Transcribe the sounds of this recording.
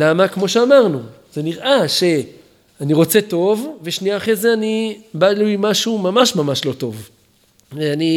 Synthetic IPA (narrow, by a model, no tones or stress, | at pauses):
lamakmo̞ʃeamaʁnu | z̥e̞niʁʔaʃe̞ | aniʁo̞t͡se̞to̞vveʃniaːχezeanibalujmaʃumamaʃmamaʃlo̞t̪o̞v | veani